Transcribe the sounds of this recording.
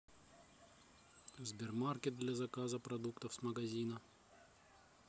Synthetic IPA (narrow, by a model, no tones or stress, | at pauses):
zʲbʲɪrmarkʲɪt̪̚d̪lʲɐzɐkazəpɾɐd̪ukt̪əfsmɐɡɐzʲinɐ